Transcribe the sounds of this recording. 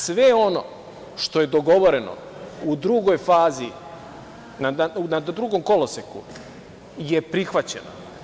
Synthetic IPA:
sʋeono̰ | ʃt̪o̞je̞d̪o̞ɡo̞ʋo̞ɾe̞no̰ | ud̪ɾuɡo̞jfaːzi | naaunad̪ɾuɡo̞mko̞losekṵ | jepɾixʋat͡ɕḛno̰

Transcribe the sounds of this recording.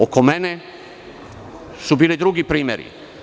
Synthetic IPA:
okomene | subiːlid̪ɾuɡipɾiːmʲjeɾḭ

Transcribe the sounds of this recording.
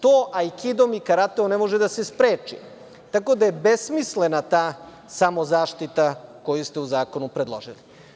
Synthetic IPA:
t̪oːʔaikid̪o̞mikaɾat̪eonemo̞ʒed̪ase̞spɾeːt͡ʃḭ | t̪ako̞d̪ajebesmisle̞nat̪aː | samo̞zaːʃt̪it̪ako̞just̪e̞uzaːko̞nupɾe̞d̪lˠoʒili

